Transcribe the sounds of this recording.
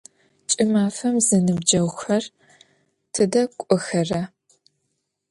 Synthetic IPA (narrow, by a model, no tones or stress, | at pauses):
t͡ʃʼɪmaːfɐmzɐnɨb̚d͡ʒɐwxɐr | tʰɨdɐkʷʼʊxɐrɐ